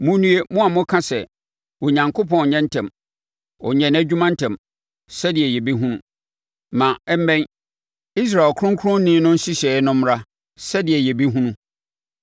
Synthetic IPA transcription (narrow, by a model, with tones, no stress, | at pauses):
mʊ̃˦nũ˦e˦mʊ̃˦a˨mʊ̃˦kʰã˦sɛ˨ | wo˨ɲã˨ŋkʰo˦pɔ̃˦n˨ɲɛ̃˦n̩˦tʰɛ̃˨m | ɔ̰˨ɲɛ̃˨næ˦d͡ʑᶣu˦mã˦n̩˦tʰɛ̃˨m | sɛ˦dɪ˨ɛ˨jɛ˨bi˦ɦũ˦nũ˦ | mã˨ɛ˦m̩˦mɛ̃˦n | i˦s̬ɾa˨e˨lkʰʊ˦ɾʊ̃˦ŋkʰɾʊ̃˦nnĩː˦nʊ̃˦n̩˦si˦ɕɛ˨˦nʊ̃˦m˦ɾa˦ | sɛ˦dɪ˨ɛ˨jɛ˨bi˦ɦũ˦nũ˦